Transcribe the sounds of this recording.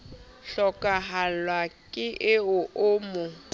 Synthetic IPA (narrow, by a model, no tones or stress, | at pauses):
ɬɔkʼaɦalwakʼɪʔɪʊʔʊːmʊ